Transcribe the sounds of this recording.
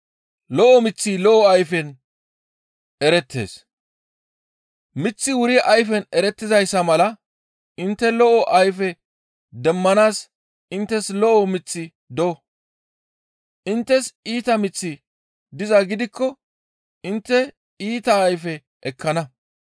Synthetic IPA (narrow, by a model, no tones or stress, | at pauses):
lɔʔɔmɪt͡sːiːlɔʔɔɐjfɛn | ɛɾɛt̪ʰːe̞̰ːs | mɪt͡sːɪwʊɾɪʔɐjf̬ɛnɛɾɛt̪ːɪzɐjsːɐmɐlɐ | ʔɪnt̪ːɛlɔʔɔʔɐjfɛ | d̪ɛmːɐnaːs | ɪnt̪ːɛslɔʔɔmɪt͡sːɪ | d̪ɔɔ | ʔɪnt̪ːɛsiːt̪ɐmɪt͡sːɪ | d̪ɪzɐɡɪd̪ɪkːɔ | ɪnt̪ːɛ | iːt̪ɐːjfɛ | ʔɛkʰːɐnɐ